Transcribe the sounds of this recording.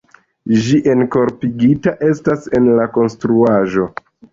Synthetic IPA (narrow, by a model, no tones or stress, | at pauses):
d͡ʒiʔe̞nko̞ɾpiɡitaʔe̞stase̞nlako̞nstɾuaʒo̞